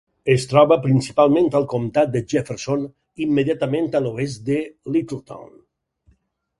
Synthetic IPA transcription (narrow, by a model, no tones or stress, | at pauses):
est̪ɾɔβəpɾinsipalˠmẽnt̪əlˠkomt̪at̪̚d̪əʒefeɾson | imːeðjat̪əmẽnt̪əloes̬d̪əlit̪əlˠt̪a̰wn